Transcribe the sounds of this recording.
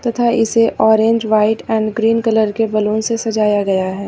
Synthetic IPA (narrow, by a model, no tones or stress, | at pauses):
t̪ɐt̪ʰaɪseʔɔːɾẽːɲd͡ʒʋaːɪʈɛ̃ːɳɖɡɾiːnkɐləɾkebɐlõːnsesɐd͡ʒaːjaɡɐjaɦɛː